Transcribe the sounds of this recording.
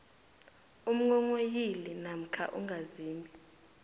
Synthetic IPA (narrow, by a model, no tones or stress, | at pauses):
um̩ŋɔŋojilinam̩kʰa̰ʔṵŋɡʱaziːmbʱi